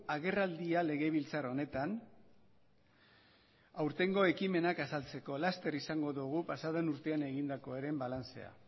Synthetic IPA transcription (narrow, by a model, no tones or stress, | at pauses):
aɣ̞e̞rald̪iale̞ɣe̞β̞ilt͡saɾo̞ne̞t̪an | awɾt̪e̞ŋɡo̞e̞kime̞nakasalt͡se̞ko̞last̪e̞ɾisaŋɡo̞ðuɣ̞upasaðonuɾt̪e̞ane̞ɣind̪ako̞eɾe̞mbalant͡se̞̰a̰